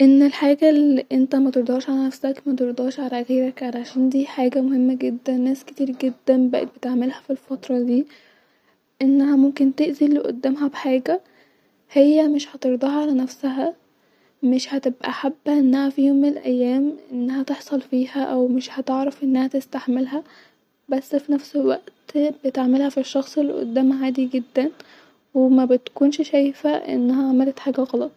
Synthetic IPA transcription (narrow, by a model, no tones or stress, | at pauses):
ʔenːelħaːɡæliʔent̪æmæt̪eɾˤd̪ˤɑːʃʕalænæfsækmæt̪eɾd̪ˤɑːʃʕalæʔæxeːɾækʕalæʕʃæːnd̪iːħaːɡæmohemːæɡed̪ːænːæːske̥t̪iːɾɡed̪ːænbæʔḛt̪̚bet̪eʕmelhæfilfɑt̪ɾˤɑd̪iː | ʔenːæhæmomkent̪eʔzilːeʔo̰d̪ːæːmɦæbeħaːɡæ | hejːæmeʃhæt̪eɾd̪ˤɑːhɑʕalænæfsæɦæ | meʃhæt̪ebʔæ̰ħabːæʔenːæhæfijoːmːɪnelʔæjːæːmʔenːæhæt̪eħsˤɑlfiːhæʔæwmeʃhæt̪eʕɾɑfʔenːæhæt̪est̪aħmelɦæ | bæsːfinæfselwæʔt̪bet̪ʕmelhæfiʃːɑxsˤelːeʔo̰d̪ːæːmæʕaːd̪iɡed̪ːæn | wemæbet̪kuːnʃʃæjfæʔḛnːæhæʕamælet̪ħaːɡæɣɑlɑt̪ˤ